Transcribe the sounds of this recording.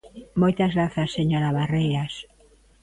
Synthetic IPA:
mojt̪azɣɾaθasːeɲoɾaβarejas

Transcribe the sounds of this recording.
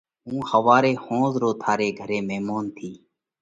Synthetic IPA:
ɦũːhəʋaːɾeːhõːzɾoːt̪ʰaːɾeːɡʱəɾeːmeːmoːnt̪ʰiː

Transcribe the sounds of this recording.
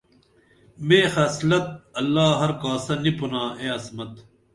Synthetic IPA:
meːxɐːslɐt̪̚ɐlːaːɦɐɾkaːsɐnipunaːeːɐsmɐt̪

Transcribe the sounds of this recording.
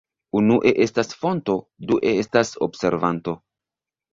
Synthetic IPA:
unuʔe̞ʔe̞stasfo̞nto̞ | duʔe̞estaso̞̰bse̞̰ɾvanto̞

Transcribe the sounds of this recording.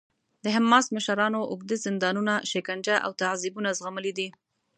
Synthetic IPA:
d̪̥əɦamːɑsməʃaɾɑnoʔʊɡd̪ezɪnd̪ɑnunaʃɪkand͡ʒaʔa̰wt̪aʕzibunazɣaməlid̪i

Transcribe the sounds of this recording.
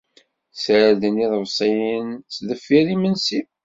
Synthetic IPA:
sɾæd̪əniðˤəvsˤijənsðəfːiɾimənsi

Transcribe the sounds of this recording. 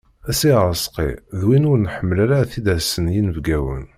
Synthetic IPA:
æsiʁəsqḭðwinʊɾnħəmːəlæɾaθid̪æsənjinəvɡæwə̰n

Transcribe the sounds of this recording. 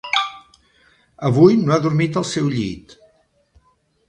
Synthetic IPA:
əβ̞ujnoaðuɾmit̪əlˠsɛwʎḭt̪

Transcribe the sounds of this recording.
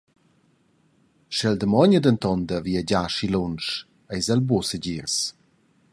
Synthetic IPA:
ʃɛld̪əmɔɲəd̪ənt̪ɔnd̪əviəd͡ʑaʃilɔnʃ | ɛjzəlbusəɟiɾs

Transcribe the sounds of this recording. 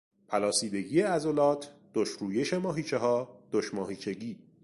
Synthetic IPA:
pʰælɒːsiːd̪e̞ɟiːeæzolɒːt̪ʰd̪̥oʃɾuːjeʃe̞mɒːɦiːt͡ʃʰeɦɒːd̪̥oʃmɒːhiːt͡ʃʰe̞ɟiː

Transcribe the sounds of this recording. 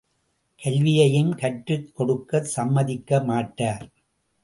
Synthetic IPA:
kɐlʋɪjɐjɯmkɐʈrɯkːɔɽɯkːɐsɐmːɐðɪkːɐmaːʈːaːɾ

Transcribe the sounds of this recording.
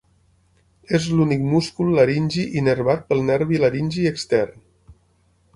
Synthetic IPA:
ezlunik̚muskulˠːaɾinʲʒiʔinəɾβat̪̚pəlˠnɛɾβiləɾinʲʒiəkst̪ɛrn

